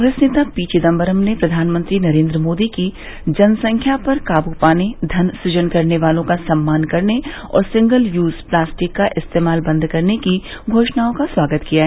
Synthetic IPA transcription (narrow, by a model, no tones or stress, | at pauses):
kɔ̃ŋɡɾeːsneːt̪apiːt͡ʃɪd̪ɐ̃mbəɾəmnepɾɐd̪ʱaːnmə̃nt̪ɾinɐɾẽːnd̪ɾəmoːd̪iki | d͡ʒɐnsɐ̃ŋkʰjapɐɾkaːbupaːned̪ʱɐnsʊd͡ʒənkɐɾneʋaːlõkasɐmːaːnkɐɾne | ɔ̰ːɾsɪ̃ŋɡəljuːzplaːsʈɪkːaʔɪst̪eːmaːlbɐ̃nd̪ʱkɐɾnekiɡʱoːʃnaːõkaswaːɡət̪kijaɦɛː